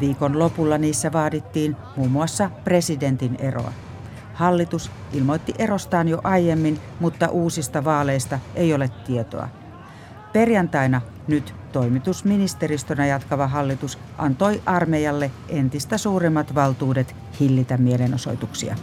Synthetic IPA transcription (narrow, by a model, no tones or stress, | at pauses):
ʋiːkonlo̞pulːɑniːsːæʋɑːdit̪ːiːn | muːmːuɑsːɑpre̞side̞nt̪inḛro̰ɑ̰ | hɑlːit̪us | ʔilmojt̪ːiʔe̞ɾost̪ɑːnjoʔɑjemːinmut̪ːɑʔuːsist̪ɑʋɑːleist̪ɑʔejolet̪ːiet̪o̰ɑ̰ | pe̞rjɑnt̪ɑinɑ | nyt̪ | t̪o̞imit̪usminist̪eɾist̪oønæjɑt̪kɑʋɑɦɑlːit̪us | ʔɑ̰nt̪oiʔɑrmejɑlːeʔe̞nt̪ist̪æsuːremːɑt̪ʋɑlt̪uːdet̪ | hilːit̪æmːielenoso̞̰jt̪uksḭɑ̰